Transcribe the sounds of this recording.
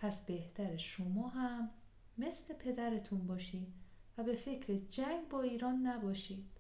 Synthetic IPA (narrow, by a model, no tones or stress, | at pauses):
pʰæsbe̞ht̪ʰæɾeʃomɒːɦæmː | e̞sle̞pʰe̞d̪æɾe̞t̪ʰunbɒːʃiːd̪væbe̞fe̞cʰɾed͡ʒæŋɡbɒːiːɾɒːnːæbɒːʃiːd̪̥